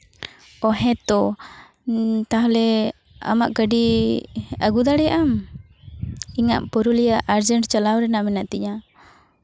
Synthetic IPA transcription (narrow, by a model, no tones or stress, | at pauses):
ɔɦɛ̃t̪ɔ | t̪aɦlɛ | a̰maʔkəɖi | aɡud̪aɽɛʔam | iŋa̰ʔpɔɾulijaʔaɾd͡ʒəɳʈt͡ʃalawɾɛnaʔmɛnaʔt̪iɲa